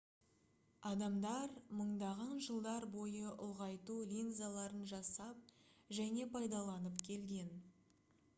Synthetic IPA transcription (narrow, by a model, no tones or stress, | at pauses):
ɑd̪ɑmd̪ɑɾməɴd̪ɑʁɑnʒəlˠd̪ɑɾbo̞jəʔʊlˠʁɑjt̪ulʲinzalˠɑɾənʒɑsɑp̚ʒæne̞pʰɑjd̪ɑlˠɑnəpkʲʰe̞lɡʲe̞n